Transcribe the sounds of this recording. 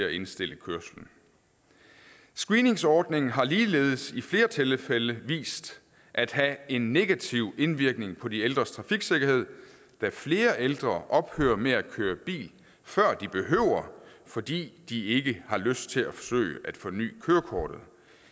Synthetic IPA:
æe̝nsd̥e̝l̰əkʰøɐsln̩ | sɡ̥ʁiːne̝ŋsɒːd̥ne̝ŋn̩ɦɑ̈liːlḛːðˠəsifle̝ːɐt͡sʰe̝lfeləʋḭːsd̥ | ʔæd̥hæe̝nːe̝ɡ̥æt͡sʰiʊ̰e̝nʋiɐɡ̥ne̝ŋpʰɒ̽dield̥ʁɐst͡sʰʁɑ̈fiɡ̥se̝ɡ̥ɐhe̝ð̞̰ˠ | d̥æfle̝ːɐʔeld̥ʁɐʔɒ̽b̥hø̰ːɐmeækʰøːɐb̥ḭːl | fɶɐ̰d̥ib̥e̝ɦøʊ̰ɐ | fɒ̽d̥ḭːd̥ie̝ɡ̥əhɑ̈løsd̥̚t͡sʰe̝læfɒ̥sø̰ːɪəʔæd̥fɒ̽ny̰ːkʰøːɐkʰɒːɾ̥ð̩ˠ

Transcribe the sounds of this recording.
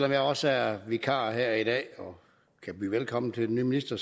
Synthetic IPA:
lɒ̽mjɑ̈ɪɒ̽səæɐʋikʰɑ̰̈ːɦeɐ̰iɾ̥ɛ̰ːɒ̽ | kʰæb̥ḭːʋelkʰɒ̽m̰n̩t͡sʰe̝d̥enyːminisd̥ɐs

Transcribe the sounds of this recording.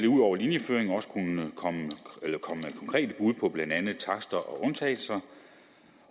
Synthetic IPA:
leuðˠɒʊ̰ɐlinjəføːeŋɒ̽sə̥kʰunkʰɒ̽məelɐkʰɒ̽məed̥̚kʰɒŋkʰʁɛ̰ːd̥əb̥uð̞ˠpʰɒ̽b̥lænd̥ænð̞̩ˠt͡sʰɑ̈sd̥ɐʔɒ̽ʔɔ̽nt͡sʰɛ̰ːlsɑ̈ɪ

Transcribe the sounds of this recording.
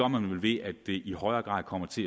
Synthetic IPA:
ɒmænʋe̝lʋe̝̰æd̥ːe̝ʔihɒ̽ɪɐːɡ̥ʁɑ̰̈ːð̰ˠkʰɒ̽m̰ɐt͡sʰe̝

